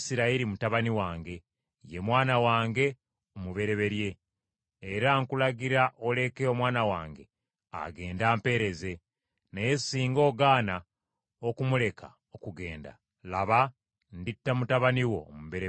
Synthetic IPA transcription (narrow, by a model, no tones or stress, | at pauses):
siɾaiɾimutaβaniwaːŋɡe̞ | je̞mwaːnawaːŋɡe̞ | omuβe̞ɾe̞βe̞ɾje̞ː | ɾaŋkulaɡiɾaʔole̞keo̞mwaːnawaːŋɡe̞ | a̰ɡe̞ːndaːmpe̞ːɾe̞ze̞ | nejesiːŋɡo̞ːɡaːna | okumule̞kʰa | okuɡe̞ːnda̰ | laβa | nditːamutaβaniwo̞ːmuβe̞ɾe